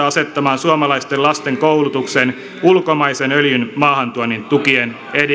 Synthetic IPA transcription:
ɑse̞t̪ːɑmɑːnsuomɑlɑist̪elɑst̪eŋkowlut̪uksen | ulkomɑisenøljynmɑːhɑnt̪uɑnːint̪ukien | ed

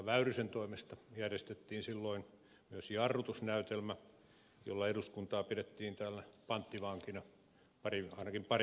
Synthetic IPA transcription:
ɑʋæyrysent̪oimest̪ɑjærjest̪et̪ːiːnsilːoin | myøsjiɑrːut̪usnæyt̪elmæ | jo̰lːɑeduskunt̪ɑːpiɾet̪ːiːnt̪æːlæpɑnt̪ːiʋɑŋkinɑ | pɑriɑinɑkimpɑr

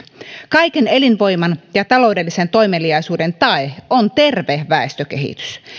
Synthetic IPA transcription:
kɑjkene̞linʋo̞jmɑnjɑt̪ɑlo̞wde̞lːise̞nt̪o̞jmeliɑjsuːde̞nt̪ɑeont̪e̞rʋehʋæest̪øk̟e̞ɦḭt̪y̥s

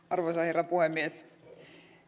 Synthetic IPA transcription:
ɑrʋosɑherːɑpuhemːies

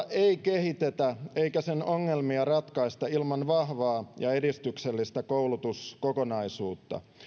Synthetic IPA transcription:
eikehit̪et̪æeikæsenoŋːelmiɑrɑt̪kɑist̪ɑilmɑnʋɑhʋɑːjɑe̞dist̪ykselːist̪ækowlut̪uskokonɑisuːt̪ːɑ̰

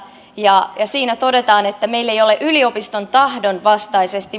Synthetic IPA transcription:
jɑjɑsiːnæt̪o̞de̞t̪ɑːnet̪ːæme̞ilːe̞jo̞leʔylio̞pist̪o̞nt̪ɑhdo̞nʋɑst̪ɑise̞st̪i

